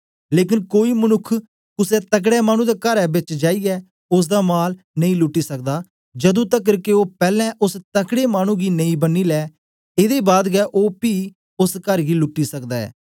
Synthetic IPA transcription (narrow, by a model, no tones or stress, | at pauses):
leːk̬ɪnkoːiːmənʊkʰː | kʊsɛːt̪ək̬ɽɛːmaːɽ̃ũd̪aːkəɾɛːbɪt͡ʃd͡ʒaːiːɛː | ʊs̬d̪aːmaːl | nə̃ĩːlʊʈːiːsək̚d̪aː | d͡ʒəd̪õːt̪ək̬ːəɾkeoːpɛːlɛ̃ʔʊst̪əkɽeːmaːñũːɡiːnəĩbənːiːlɛː | ed̪eːbaːd̪ɡɛːʔoːpiː | ʊskəɾɡiːlʊʈːiːsəkd̪aːɛ̰ː